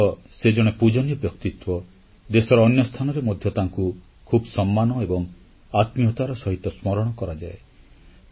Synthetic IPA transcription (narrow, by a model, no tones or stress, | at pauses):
ɔ | sed͡ʒɔɽ̃epud͡ʒɔnjɔbjɔkt̪it̪wɔ | d̪esɔɾɔːnjɔst̪ʰanɔɾemɔd̪ʱjɔt̪aŋku | kʰubɔsɔmːanɔebɔŋ | at̪miɔt̪aɾɔsɔɦit̪ɔsmɔɾɔɽ̃ɔkɔɾad͡ʒae